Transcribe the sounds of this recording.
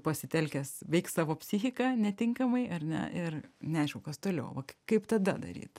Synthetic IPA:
pɐsʲɪt̪ʲɛlʲkʲɛsʋʲɛɪk̪sɑːʋoːpʲsʲɪxʲɪkɑːnʲɛt̪ʲɪŋkɐmɐɪʔɐrnʲɛ̰ʔɪrnʲɛɐɪʃʲkʲɛʊkɐst̪oːlʲɛʊʋɐkkɐɪpt̪ɐd̪ɐd̪ɐ̰ɾʲḭːt̪

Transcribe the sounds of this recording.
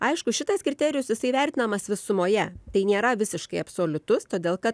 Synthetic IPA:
ɐɪʃkʊʃʲɪt̪ɐskɾʲɪt̪ʲɛːɾʲɪjʊsjɪsɐɪʋʲæˑɾʲt̪ʲɪnɐmɐsʋʲɪsʊmoːjɛt̪ɐɪnʲeːɾɐʋʲɪsʲɪʃkɐɪɐpsoːlʲʊt̪ʊst̪oːd̪ʲeːlˠkɐt̪

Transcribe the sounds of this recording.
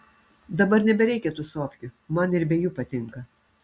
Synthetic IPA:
d̪ɐbɐɾnʲɛbʲɛɾʲɛɪkʲɛt̪usoːfʲjʲʊmɐnɪɾbʲɛjuːpɐt̪ʲɪŋkɐ

